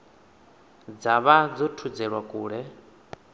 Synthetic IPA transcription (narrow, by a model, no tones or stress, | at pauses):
d͡zaβad͡zɔtʰud͡zɛɺwakʼuːɺɛ